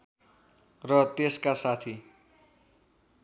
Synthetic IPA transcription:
rʌt̪eskasat̪ʰi

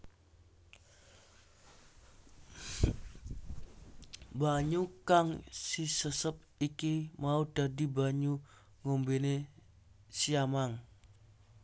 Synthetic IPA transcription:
baɲukaŋsisəsəp̚ikimaud̥adibaɲu | ŋombene | siamaŋ

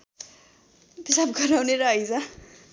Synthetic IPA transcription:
t̪isab̚ɡʌɾawneɾʌʌjd͡za

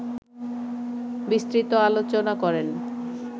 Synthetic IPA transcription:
bist̪ɾit̪oalot͡ɕonakɔɾen

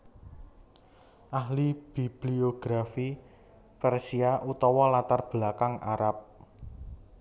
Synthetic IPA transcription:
ʔaɦlib̥ib̥lioɡ̥ɾafi | pɛrsiaʔut̪ɔwɔlat̪arb̥lakaŋʔa̰ɾap̚

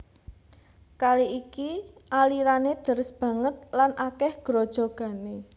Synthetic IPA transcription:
kaliikiʔaliɾaned̪̥ə̤ɾəsb̥ä̤ŋət̪̚lanʔakɛhɡ̥ɾod̥ʒ̥o̤ɡ̥a̤ne

